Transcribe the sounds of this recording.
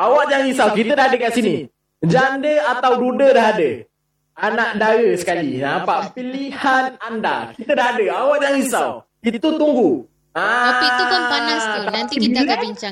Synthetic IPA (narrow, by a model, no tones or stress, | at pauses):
awaʔjaŋisawkit̪ədaɦadəkaʔsini | d͡ʒandəat̪awdudədaɦadə | anaʔdaɾəsə̥kalinapaʔpilihananda̰kit̪ədaɦadəawaʔjaŋisaw | it̪ut̪uŋɡu | a | t̪apibiə